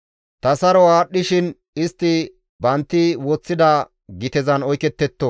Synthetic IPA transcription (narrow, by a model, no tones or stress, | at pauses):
t̪ɐsɐɾɔaːɗːɪʃɪn | ɪst̪ːɪ | bɐnt̪ːɪwɔt͡sːɪd̪ɐ | ɡɪt̪ɛzɐnɔjkɛt̪ːɛt̪ːɔ